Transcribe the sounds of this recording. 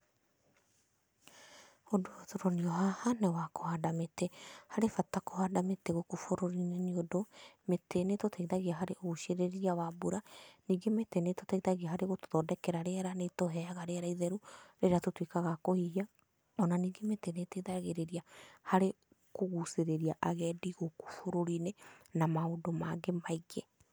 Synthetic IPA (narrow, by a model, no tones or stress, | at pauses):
odootoɾɔniɔɦahanɛwakohadametehaɾefatakohadameteɣokofoɾoɾineniodometenetotʰaiðaɣiaɦaɾeʔoɣuʃeɾeɾɾiawabuɾaniːɡemeteneto̥taiðaɣiaɦaɾeɣoto̥ðɔdɛkɛɾaɾeaɾanetoɦɛaɣaɾeaɾaiðɛɾuɾeɾeatotwikaɣakohiia | ɔnaniːɡemeteneteiðaɣeɾeɾiahaɾe | koɣuseɾeɾiaʔaɣɛːdiɣoko̥foɾoɾinenamaodomaɡemaiɡe